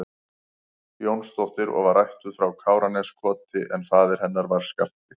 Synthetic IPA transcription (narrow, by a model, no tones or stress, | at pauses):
jownst̪owht̪ɪɾʔɔ̰ɣvaɾajht̪ʏfɾawkʰaːwɾanɛskʰɔːt̪ɪʔɛnθaːðɪɾ̥hɛnːaɾvaɾ̥skal̥t̪ɪ